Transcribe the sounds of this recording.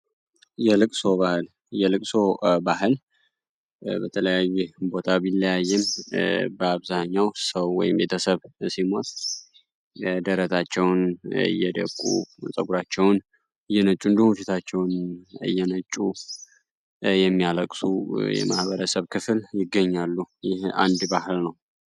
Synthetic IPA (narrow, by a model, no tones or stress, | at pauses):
jɛlɨkʼso̞βahɨl | jɛlɨkʼso̞baɦɨl | bət̪ʰələjajːubo̞t̪ʰabɪlːəjajːɛmbəaβzaɲːawsəwːɔ̰jɪmbe̞t̪ʰəsəβsimot̪ʼ | d̪əɾət̪ʰat͡ʃːɛwnɨ̰jːɛd̪ə̰kʼːṵsʼəɡuɾat͡ʃːɛwn | ɨjːɛnət͡ʃʼːund̪əhufit̪ʰat͡ʃːɛwnɨ̰jːɛnət͡ʃʼːu | jɛmːijaləkʼsujɛ̰ma̰hbəɾəsəβkʰɨfɨljɪɡːəɲːalːujɪha̰nd̪bahɨlnəw